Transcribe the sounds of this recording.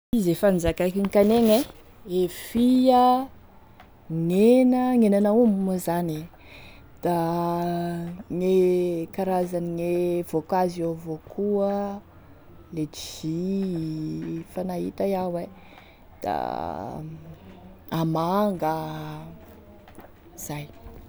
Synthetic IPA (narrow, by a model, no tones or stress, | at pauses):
izefanzakakiŋkaneŋe | efijə | ŋenəŋenanaumumuzani | d̪̥a | ŋekaɾazaniŋev̥okaziovokuə | le̥i | fanaɦḭt̪aiawe | d̪̥a̰ | amaŋɡə | z̥aj